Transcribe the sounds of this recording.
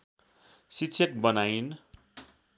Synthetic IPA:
sitːsʰʌk̚bʌnajn

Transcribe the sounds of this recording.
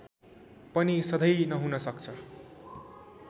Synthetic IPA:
pʌnisʌd̪ʱʌjnʌɦunʌsʌkt͡sʰʌ

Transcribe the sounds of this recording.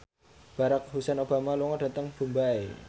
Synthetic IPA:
b̥a̤ɾak̚ɦusɛnob̥a̤maluŋaɖa̤t̪əŋb̥ṳmbaḛ

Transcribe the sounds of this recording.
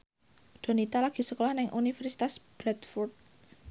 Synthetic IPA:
d̪̥o̤nit̪alaɡ̥i̤səkolɔhnɪŋʔunifɛrsi̥t̪asb̥ɾɛt̪furt̪̚

